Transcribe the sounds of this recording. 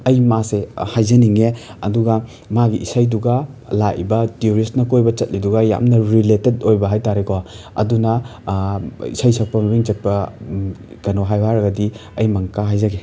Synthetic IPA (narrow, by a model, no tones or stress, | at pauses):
ɐjmasehajzɐniŋeɐ̰duɡɐ | maɡiʔisajduɡɐ | lajibɐtioɾistnɐkojbɐt͡ʃɐt̚liduɡɐja̰mnɐɾiletedojbɐɦajtaɾekow | ɐ̰dunɐ | ḭsajsɐk̚pɐmibiŋt͡ʃɐt̚pɐ | kɐnoɦajbaɾɐɡɐdiɐjmɐŋkaɦajzaɡe